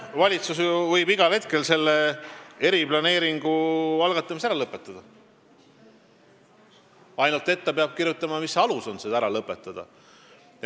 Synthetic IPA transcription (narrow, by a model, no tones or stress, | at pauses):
vɑlʲit̪susjuvɤjbiɡ̥ɑhe̞t̪̚ke̞lse̞lːee̞ɾiblɑne̞ːɾiŋɡ̥uɑlɡɑt̪ːˑɑmisæɾɑlɤpːˑet̪ˑːɑd̪̥ɑ | ɑjnult̪ˑe̞t̪ːepeɑb̥̚kirjut̪ˑːɑmɑmisɑluso̞nsed̪æɾɑlɤpːˑe̞t̪ːˑɑd̪̥ɑ̰